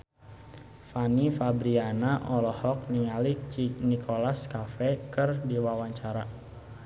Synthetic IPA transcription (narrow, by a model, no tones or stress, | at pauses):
fanifabɾianaʔɔlɔhɔk̚niŋalit͡ʃinikʰolaskafɛkɨrdiwawaɲt͡ʃaɾa